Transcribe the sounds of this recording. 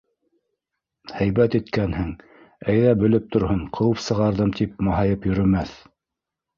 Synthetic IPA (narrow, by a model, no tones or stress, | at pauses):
hæjβæt̪it̪kænhɘŋ | æjðæbɵ̆lɘp̚t̪ŏɾhɤɴqʰɤ̆wɤpsɤ̆ʁɑɾðɤmt̪ip̚mɑɦɑjɤpjɵ̆ɾɵ̆mæθ